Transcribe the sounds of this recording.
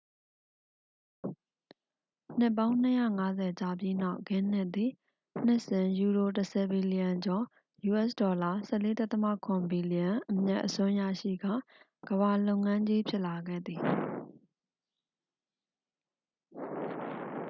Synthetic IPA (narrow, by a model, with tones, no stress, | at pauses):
n̥ɪ˦pːã˦ʊ̃n̥əjä̰˦˨ŋa˦zɛ˨t͡ɕa˨bji˦na˦ʊʔɡɪ̃˦˨n̥ɪ˦ʔt̪ːi˨ | n̥ɪ˦ʔsɪ̃˨ju˨ɾo˨təsʰɛ˨bi˨li˨jã˨ɲd͡ʑɔ˨ | ju˨ʔɛ˦ʔsdɔ˨la˨sɛ˦˨le˦ta˦t̪ə˦ma̰˦˨kʰʊ̃˨mbi˨li˨jã˨ʔəmja̰˦ʔəsʊ̃˦ja̰˦˨ʃḭ˦˨ɡä̰˦˨ | ɡ̥əβa˨lo˦ʊŋã˦ɲd͡ʑi˦pʰjɪ˦ʔla˨ɡɛ̰˦˨d̪i˨